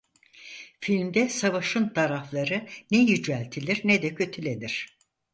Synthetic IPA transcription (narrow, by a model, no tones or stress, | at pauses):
filʲmd̪ɛsavaʃɯnt̪ʰaɾaflˠaɾɯnɛjyd͡ʒælʲt̪ʰilʲiɾnɛd̪ɛcʰø̞t̪ʰylʲe̞niɾ̝̥